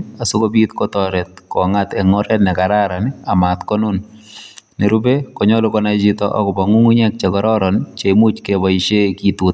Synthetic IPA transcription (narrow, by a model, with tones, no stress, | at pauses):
a˨su˦kobit̪kɔtɔɾɛ˨t̚kɔ˨ŋat̪ɛ˨ŋɔɾɛ˦tnɛ˨kaɾaɾa˨nɪa˨ma˨tkɔ˦nʊ˦n | ne˨ɾu˦be˦kɔ˨ɲɔ˦lo˦kɔna˦t͡ʃitɔʔɔ̰˦kɔ˨ba˨ŋu˦ŋu˦ɲɛ˦k̚t͡ʃe˨kɔɾɔɾɔnt͡ʃemu˦t͡ʃkebɔit͡ʃe˦kitut